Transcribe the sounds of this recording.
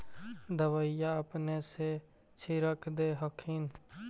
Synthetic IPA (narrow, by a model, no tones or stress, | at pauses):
d̪əʋəɪjaəpnese | t͡ʃʰiɾəkʰd̪eːɦəkʰiːn